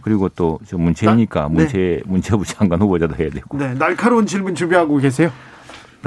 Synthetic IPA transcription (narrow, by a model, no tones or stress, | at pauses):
kɯɾiɡot͈ot͡ɕomːunt͡ɕʰeɲik͈a̰munt͡ɕʰemunt͡ɕʰebut͡ɕʰaŋɡanhobʌd͡ʑadoɦe̞jadweɡone̞naɭkʰaɾonɕʰiɭmɯnt͡ɕubiɦaɡoɡes̬ʰejo